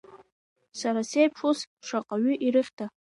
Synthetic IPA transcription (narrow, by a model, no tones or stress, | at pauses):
saɾasejpʰʂusʂaqʼaɥʏʔiɾɨχʲtʰa